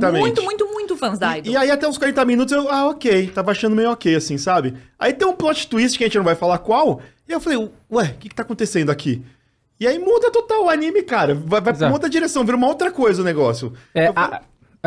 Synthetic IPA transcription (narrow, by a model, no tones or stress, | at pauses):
t̪ɐmẽũj̃t̪ʊmũj̃t̪ʊmũj̃t̪ʊfɐ̃zajdɪaiat̪ɛũskwaɾẽnt̪ɐminut̪ʊzewaokejt̪avɐaʃɐ̃nd̪ʊmejʊokejasĩsabɪa̰it̪ẽj̃ũplɔt͡ʃɪ̥t̪uis̬t͡ʃɪ̥kɐʒẽt͡ʃɪnɐ̃vajfalakwawɪewfalejʊ | ɛkɪkɪ̥t̪akõt̪esẽnd̪ʊakʰi | ɪaimũd̪ɐt̪ot̪awʊanĩmɪkaɾɐvajvajmot̪ɾɐd͡ʒiɾesɐ̃w̃viɾumɐowt̪ɾɐkojzɐʊneɡɔsjʊɛ